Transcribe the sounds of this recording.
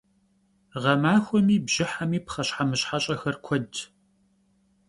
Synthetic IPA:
ʁɐmaːxʷɔmiːbʑ̥ɪħamiːpχɐɕħamɨɕħaɕʼɐxɐrkʷʰɔd

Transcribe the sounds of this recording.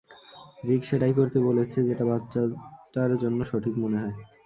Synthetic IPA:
ɾikʃeʈajkoɾt̪ebolet͡ɕʰed͡ʑeʈabatːɕaʈaɾd͡ʑonːoʃoʈʰikmoneɦɔe

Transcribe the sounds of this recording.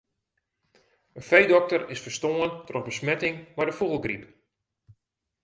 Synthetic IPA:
ənfejdɔk̚tərɪsfərstoəntrɔxbəsmɛtɪŋmajdəfuɣəlˠɡrip

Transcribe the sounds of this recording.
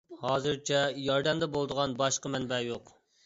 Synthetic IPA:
hɑːzɨɾt͡ʃʰɛjɑɾd̪ɛmd̪ɛbolˠd̪əʁɑnbɑʃqəmɛnbɛjoq

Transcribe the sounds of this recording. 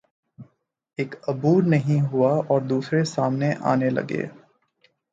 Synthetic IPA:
eːkɐbuːɾnɐɦĩɦʊaɔːɾd̪uːsɾesaːmneʔa̰ːnelɐ̰ɡḛː

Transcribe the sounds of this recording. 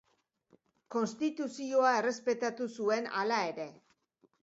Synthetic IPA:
ko̞nst̪it̪usio̞ae̞re̞spe̞t̪at̪usue̞na̰lae̞ɾe̞

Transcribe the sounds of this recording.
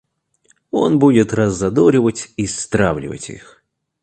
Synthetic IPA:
onbudʲɪt̪rɐzːɐd̪ɔɾʲɪvətʲist̪ɾawlʲɪ̰və̰tʲḭx

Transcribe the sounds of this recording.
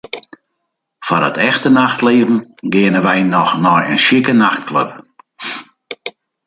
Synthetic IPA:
fadə̰tʰɛxtənaxtleːvn̩ɡɪənəʋɛjnɔxnɔjə̰nʃikənaxt̚kløp

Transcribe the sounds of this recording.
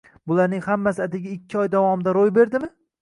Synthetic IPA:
bʊlaɾnɪŋhamːasɪad̪ɪɡʲaɪkʲʰːɪɒjd̪avɒmɪd̪aɾojbe̞ɾd̪ɪmɪ

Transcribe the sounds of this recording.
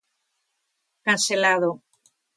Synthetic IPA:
kanselaðo

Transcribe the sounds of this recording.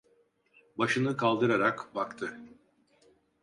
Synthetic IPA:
baʃɯnɯkʰalˠd̪ɯɾaɾakbakt̪ʰɯ

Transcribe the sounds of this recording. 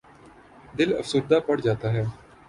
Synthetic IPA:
d̪ɪlə̰fsʊɾd̪aːpəɽd͡ʒaːt̪aːɦɛː

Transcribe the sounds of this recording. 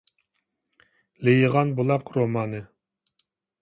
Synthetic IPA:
lejəʁɑnbolˠɑqɾomɑːnɨ

